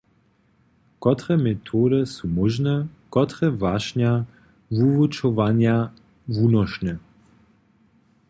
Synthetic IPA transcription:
kɔt̪ʁɛmɛt̪ʰoːdəsumɔʒnɛkɔt̪ʁɛvaʃɲa | vuvut͡ʃɔvanja | vunɔʃnɛ

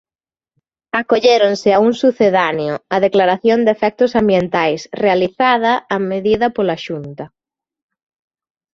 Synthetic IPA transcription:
akoʎeɾonsɪauŋsuθeðanjʊɐðeklaɾaθjond̪efɛk̚t̪ʊsambjent̪ajsrealiθaðɐameðiðɐpolaʃunt̪ɐ

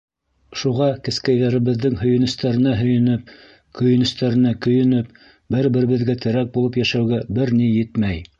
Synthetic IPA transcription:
ʃuʁɑkɘ̆skæjðæɾɘ̆βɘ̆ðːɘŋhɵ̆jɘ̆nɵ̆st̪æɾɘ̆næɦɵ̆jɘ̆nɘp̚ | kɵ̆jɘ̆nɵ̆st̪æɾɘ̆nækɵ̆jɘ̆nɘp̚ | bɘɾbɘ̆ɾɘ̆βɘ̆ðɡæt̪ʰɘ̆ɾæk̚bulˠɤpjæʃæwɡæbɘɾnijɘt̪mæj

